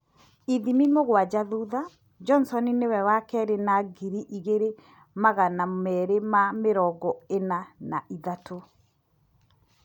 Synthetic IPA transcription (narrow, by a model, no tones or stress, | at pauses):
iðimimoɣwad͡ʒaðuða | d͡ʒɔnsɔninewɛwakɛɾenaɡiɾiʔiɣeɾe | maɣanamɛɾemameɾɔɡɔenanaʔiðato